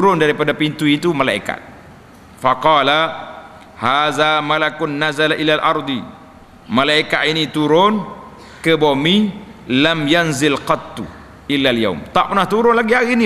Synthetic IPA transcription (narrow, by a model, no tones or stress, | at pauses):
t̪ɾʊndaɾipadapint̪uit̪umalaḭka̰t̪̚ | faqɑla | haðamalakʊnːazalaʔilalʔɑ̰ɾˤd̪i | malaikaʔ̪init̪uɾʊn | kəbomilamjanzɪlqɑt̪ːṵ | ʔɪlːalja̰wmt̪aʔpərnaht̪uɾʊnlaɡiɦaɣiːni